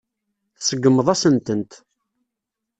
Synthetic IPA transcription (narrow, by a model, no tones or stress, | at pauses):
θsəɡːəmːəðˤæsənt̪ənt̪